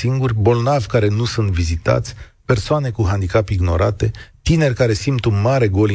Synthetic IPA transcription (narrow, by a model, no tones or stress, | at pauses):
siŋɡurʲbo̞lnavʲkaɾe̞nusunt̪vizit̪a̰t̪sʲ | pe̞rsoane̞kuɦand̪ikapiɡno̞̰ɾat̪e̞t̪ine̞rʲkaɾe̞simt̪unmaɾe̞ɡo̞l